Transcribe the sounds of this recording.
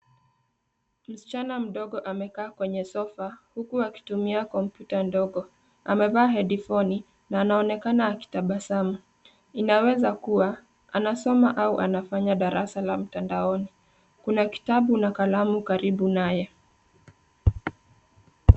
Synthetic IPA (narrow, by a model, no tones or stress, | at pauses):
m̩si̥t͡ʃanam̩ɗɔɠɔʔamɛkaːkwɛɲɛsɔfahukuaki̥tumiakɔmpjutandɔɠɔ | a̰mɛvaːɦɛɗifɔni | naːnaɔnɛkanaːki̥taɓasama | inawɛzakuwa | anasɔmaʔauʔanafaɲaɗaɾʔasalam̩tandaɔni | kunaki̥taɓunakalamukaɾiɓunajɛ